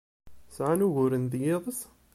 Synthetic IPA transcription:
sʕanuʝʊɾənd̪jeðˤəs

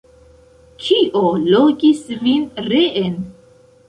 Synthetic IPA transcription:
kʰiʔoloɡisvinɾeʔen

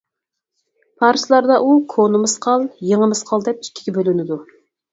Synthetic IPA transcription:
pʰɑɾslˠɑɾd̪ɑʔukʰonɨmɨsqʰɑlˠjeŋəmɨsqʰɑlˠd̪ɛp̚i̥kʲʰːi̥ɡʲɛbølynɪd̪u

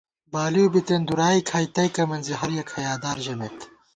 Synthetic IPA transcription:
baːliubit̪end̪uɾaːikʰaːjt̪ɐjkɐmɐnziɦɐɾjɐkʰɐjaːd̪aːɾʒɐmet̪

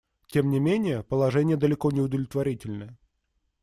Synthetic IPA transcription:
tʲe̞mnʲɪmʲenʲɪjəpəlˠɐʐɛnʲɪjəd̪əlʲɪkonʲɪʊd̪əvlʲɪt̪vɐɾʲitʲɪlʲnəə

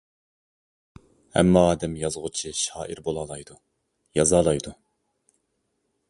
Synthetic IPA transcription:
hɛ̰mːɑːd̪ɛmjɑzʁʊt͡ʃʰiʃɑːʔiɾbolˠɑːlˠɑjd̪u | jɑzɑːlˠɑjd̪u

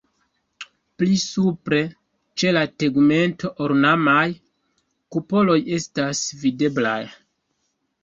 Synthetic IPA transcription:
plisupɾe̞ | t͡ʃe̞lateɡme̞nto̞ʔoɾnamaj | kupo̞lo̞je̞stasvide̞bla̰j

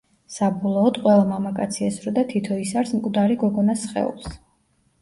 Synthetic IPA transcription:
sabɔlˠɔːd̪qʼwɛlˠamamakʼat̪sʰiasɾɔd̪at̪ʰit̪ʰɔisaɾsmkʼd̪aɾiɡɔɡɔnasχɛ̰ṵlˠs

